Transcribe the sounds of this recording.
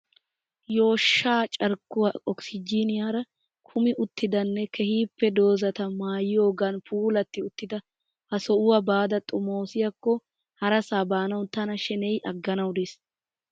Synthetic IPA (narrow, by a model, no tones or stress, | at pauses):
jo̞ːʃːaːt͡ʃʼɐɾkːʊwaɔksɪd͡ʒiːnɪjaːɾɐ | kʰʊmɪʔʊt̪ːɪd̪ɐnːɛkʰɛhiːpːɛd̪o̞ːzɐt̪ɐmaːjɪjo̞ːɡɐnfuːlɐt̪ːɪʊt̪ːɪd̪ɐ | hɐsɔʔʊwɐbaːd̪ɐt̪ʼʊmoːsɪjɐkːɔ | hɐɾɐsaːbaːnɐwt̪ɐnɐʃɛnɛjʔɐɡːɐnɐwd̪es